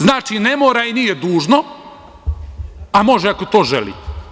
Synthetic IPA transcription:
znaːt͡ʃinemoːɾainijed̪uːʒno̞ | amo̞ʒeakot̪o̞ːʒḛlḭːt̪

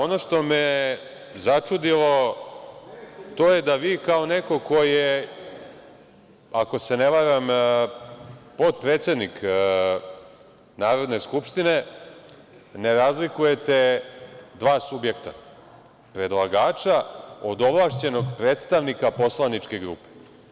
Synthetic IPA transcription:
o̞no̞ʂt̪o̞me | zat͡ʂud̪ilo̞ | t̪o̞ːje̞d̪aʋiːkao̞neko̞ko̞je | ako̞se̞neʋaɾam | po̞t̪̚pɾeːt̪sʲe̞d̪nik | naːɾo̞d̪ne̞skupʃt̪ine̞ | neɾazlikuje̞t̪e̞ | d̪ʋaːsubje̞kt̪a̰ | pɾe̞d̪lˠaɡaːt͡ʃaod̪o̞ʋlˠaʃt͡ɕe̞no̞ɡpɾeːt̪st̪aʋnikapo̞slˠanit͡ʃke̞ɡɾṵːpe̥

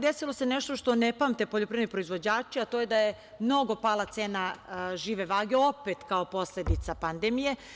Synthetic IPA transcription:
d̪esilo̞se̞neʃt̪oʃt̪o̞nepamt̪e̞poʎo̞pɾenipɾo̞izʋo̞d͡ʑaːt͡ʃiat̪oːje̞d̪aje | mno̞ɡo̞palˠat̪seːnaʒiːʋeʋaːɡe̞o̞pet̪kao̞po̞sled̪it̪sapand̪emije̞

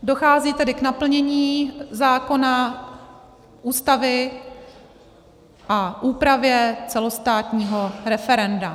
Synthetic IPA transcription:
do̞xaːziːt̪ɛdɪknapl̩ɲɛɲiːzaːko̞na | ʔuːst̪avɪ | ʔaʔuːpɾavjɛt͡sɛlo̞st̪aːt̪ɲiːɦo̞ɾɛfɛɾɛnda

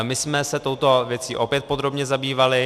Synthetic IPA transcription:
mɪsmɛsɛt̪owt̪o̞vjɛt͡siːʔo̞pjɛt̪̚po̞d̪ɾo̞bɲɛzabiːvalɪ

